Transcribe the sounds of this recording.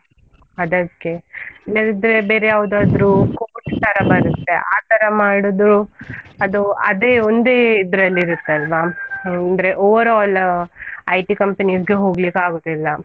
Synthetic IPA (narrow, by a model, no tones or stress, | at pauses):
ɐd̪ɐkːe̞ilːɐɾid̪ɾe̞be̞ːɾejaːʋud̪aːd̪ɾukoʈt̪ɐɾɐbɐɾut̪ːe̞ʔaːt̪ɐɾɐmaːɽod̪ɾuɐd̪uɐd̪eːond̪eid̪ɾɐlːiɾut̪ːeɐlʋaɐnd̪ɾe̞ʔoːʋɐɾaːl | ɐjʈikɐmpenisɡe̞ɦo̞ːɡlikaːɡoːd̪ilːɐ